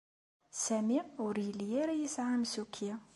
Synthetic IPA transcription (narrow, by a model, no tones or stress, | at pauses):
sæmiʊɾjəljæɾæjisʕamsukʰːja